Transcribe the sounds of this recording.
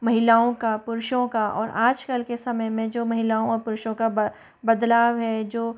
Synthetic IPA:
mɐɦɪlaːõkapʊɾʃõkaɔ̰ːɾaːd͡ʒkəlkesɐməjmẽd͡ʒoːmɐɦɪlaːõɔːɾpʊɾʃõka | bɐd̪laːʋɦɛd͡ʒoː

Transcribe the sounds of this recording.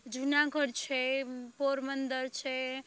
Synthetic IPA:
d͡ʒʱunaɡəɾt͡ʃʰɛpoɾmənd̪əɾt͡ʃʰɛ

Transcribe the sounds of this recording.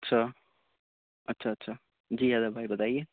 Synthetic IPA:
ʌtːsʰʌ | ʌtːsʰaːtːsʰa | d͡ʒiɦad̪ʌbʱajbʌt̪aje

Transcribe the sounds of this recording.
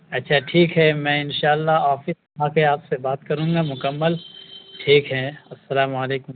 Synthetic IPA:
ɐtːʃʰaʈʰiːkɦɛmɛ̃ːɪnʃaːlːaaːfɪsɐaːkeaːpsebaːt̪kɐɾũːŋɡaːmʊkəmːəlʈʰiːkɦɛɐsːɐlaːmaːleːkʊm

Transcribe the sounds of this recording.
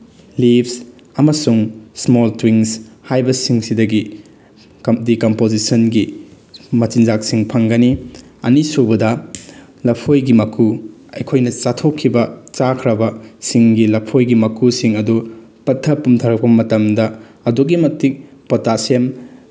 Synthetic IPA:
lips | ɐmɐsuŋsmoltwiŋshajbɐsiŋsidɐɡi | kdikɐmpozisɐnɡi | mɐt͡ʃinzaksiŋpʰɐŋɡɐniɐ̰nisubɐdɐ | lɐpʰojɡimɐkʰuɐjkʰojnɐt͡ʃatʰokʰːibɐt͡ʃakʰɾɐbɐsiŋɡilɐpʰojɡimɐkusiŋɐdu | pɐtʰːɐpumtʰɐɾɐk̚pɐmɐtɐmdɐ | ɐduɡimɐtːik̚potasem

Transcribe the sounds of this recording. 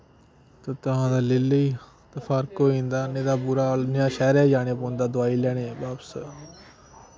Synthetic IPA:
t̪oːt̪əɦãːd̪aːlɪliː | t̪əfʰaːɾkoːĩːnd̪aːnẽːd̪aːpuːɾaːlnjãːʃɛːɾaːd͡ʒaːñeːpõːnd̪aːd̪ʊaːiːlɛːɽ̃ẽːbaːbsə

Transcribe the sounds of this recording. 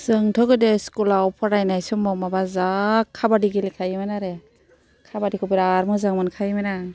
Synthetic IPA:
sɯŋtʰɔɡɯdeskulawpʰɔɾajnajsumɔmabazakʰːabadiɡilikʰajmanaɾe | kʰabadikʰɔpiɾaɾmɯzaŋmɯnkʰajmana

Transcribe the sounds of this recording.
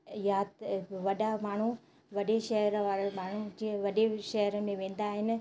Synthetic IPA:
jaːt̪ʋɐɗamaːɳ̤u | ʋɐɗeʃɐɦɾʋaːɾamaːɳ̤ud͡ʑiʋɐɗeʃɐɦɾəmẽʋẽːn̆d̪aːɦɪnɪ̆

